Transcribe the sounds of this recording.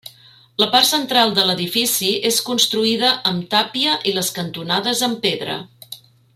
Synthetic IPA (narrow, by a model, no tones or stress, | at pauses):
ləparsənt̪ɾalˠd̪ələðifisieskunst̪ɾuiðəʔəmt̪apiəʔiləskənt̪unaðəzəmpeðɾə̰